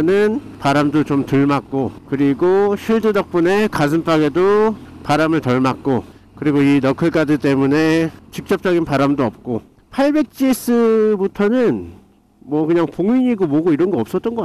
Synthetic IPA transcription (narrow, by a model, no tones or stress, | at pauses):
nɯnpaɾamdot͡ɕomtɯɭmak̚k͈okɯɾiɡoɕʰiɭdɯdʌk̚p͈une̞kas̬ʰɯnp͈ʰaɡe̞dopaɾamɯɭtʌɭmak̚k͈o | kɯɾiɡoinʌkʰɯɭk͈adɯt͈e̞mune̞t͡ɕik̚t͡ɕ͈ʌp̚t͡ɕ͈ʌɡinpaɾamdoʌp̚k͈o | pʰaɭbe̞k̚t͡ɕ͈is͈ʰɯbutʰʌnɯn | mwʌkɯɲaŋpoŋɥiɲiɡomoɡoiɾʌnɡʌʌps͈ʌt̚t͈ʌnɡʌk